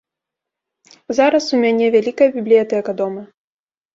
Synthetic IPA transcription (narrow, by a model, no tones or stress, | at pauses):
zaɾɐsumʲanʲɛvʲalʲikɐjɐbʲiblʲijat̪ɛjɐkɐd̪ɔmɐ